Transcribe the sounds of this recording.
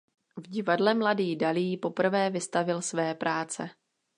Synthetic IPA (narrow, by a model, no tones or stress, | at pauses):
vɟɪvadlɛmladiːdaliːpo̞pr̩vɛːvɪst̪avɪlsvɛːpɾʔaːt͡sɛ̰